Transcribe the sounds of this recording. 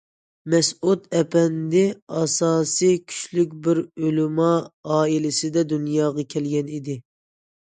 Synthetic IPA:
mɛsut̪ɛpɛnd̪ɪɑsɑːsijkʲʰy̥ʃlykʲbɪɾølumɑɑːilɪsɪd̪ɛd̪unjɑːʁɑkʲʰɛlɡʲɛnid̪ɪ

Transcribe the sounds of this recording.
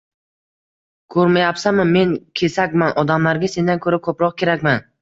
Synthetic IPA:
kʰɵɾmajapsamɪme̞nkʲʰe̞sakʲmanʔɒd̪amlaɾɡʲase̞nd̪ankʰɵɾakʰɵpɾɒq̚kʲe̞ɾakʲman

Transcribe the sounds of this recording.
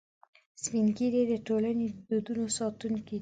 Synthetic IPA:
spiŋɡiɾed̪əʈolaned̪ud̪unosɑt̪unki

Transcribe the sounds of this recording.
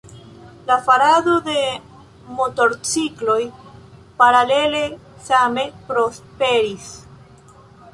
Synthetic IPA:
lafaɾado̞de̞ | mo̞to̞ɾt͡siklo̞jpaɾale̞le̞same̞pɾo̞spe̞ɾis

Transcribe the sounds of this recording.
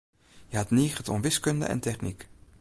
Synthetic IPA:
jəɦɑtniːχətɔ̰nʋɪskɵndə̰ʔɛ̰ntɛχnik

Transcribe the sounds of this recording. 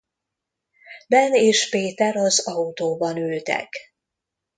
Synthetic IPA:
bɛneːʃpeːt̪ɛɾɒzɒut̪oːbɒnølt̪ɛ̰k

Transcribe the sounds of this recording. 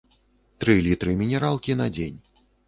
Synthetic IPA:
t̪ɾɨlʲit̪ɾɨmʲinʲɛɾalˠkʲinɐd͡zʲenʲ

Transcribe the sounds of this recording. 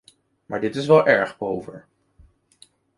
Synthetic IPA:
maːɹdɪtɪsʋɛlˠʔɛɹχbowvəɹ

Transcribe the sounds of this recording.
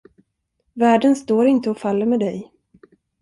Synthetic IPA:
væːɖənst̪oːɾɪnt̪əɔfalːəɾmeːd̪ɛj

